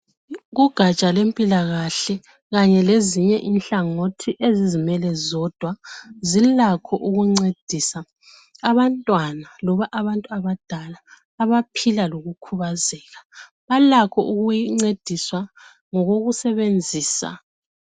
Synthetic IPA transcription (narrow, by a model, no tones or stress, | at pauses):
ɣuɡ̥ʱat͡ʃʼalempʼilaɣaɬɛ | ɣaɲɛleziɲɛʔinɬaŋotʰiʔezizimɛlɛzɔd̥ʱwazilakʰɔʔuɣuŋ͡ǀed̥ʱisa | aβantʼwanalɔβaʔaβantʼuaβad̥ʱalaː | βapʰilaloɣukʰuβazɛɣa | βalakʰɔ̰ʔuɣujiŋ͡ǀed̥ʱiswa | ŋɔɣoɣusɛβend͡zʱiːsa̰